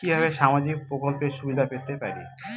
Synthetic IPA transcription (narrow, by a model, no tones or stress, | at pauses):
ibʱaβeʃamad͡ʑikpɾokolpeɾʃubid̪ʱapeɾt̪epaɾi